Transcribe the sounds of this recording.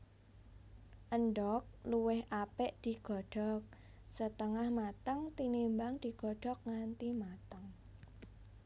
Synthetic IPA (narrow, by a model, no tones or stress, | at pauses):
ʔənɖɔk̚luwɪhʔapɛʔd̪̥i̤ɡ̥ɔ̤ɖ̥ɔ̤k̚ | sət̪əŋahmat̪əŋt̪inimbaŋd̪̥i̤ɡ̥ɔ̤ɖ̥ɔ̤k̚ŋant̪imat̪əŋ